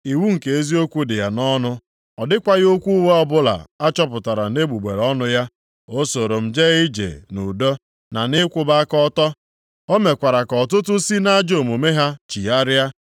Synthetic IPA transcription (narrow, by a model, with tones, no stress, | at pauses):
i˨wu˦ŋ̩˨ke˨e˦zi˦o˦kʷu˦dɪ˨ja˨nɔ˦nʊ˦ | ɔ˨dɪ˦kʷa˦ɣo˦kʷu˦u˦we˦ɔ˦bʊ˦la̰˨a˦t͡ʃɔ˦p̬ʊ˨ta˨ɾa˨ne˦ɡ͡bu˨ɡ͡be˨ɾɔ˦nʊ˦ja˦ | o˦so˨ɾo˨m̩˨d͡ʒe˦ɣi˦d͡ʒḛ˨nu˨do˦ | na˨nɪ˦kʷʊ˦ba˦kɔ˦tɔ˦ | o˦me˨kʷa˨ɾa˨kɔ˨tʊ˦tʊ˦si˦na˦d͡ʒo˨mo˨me˦ɦa˦t͡ʃi˨a˦ɾja˦